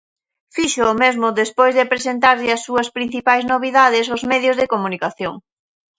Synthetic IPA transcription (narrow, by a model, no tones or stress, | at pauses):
fiʃʊːmezmʊðespojzðɪpɾesent̪̬aɾʎɪɐsːuɐspɾin̟θipajznoβ̞iðaðɪsʊzmɛðjʊzðekomunikaθjoŋ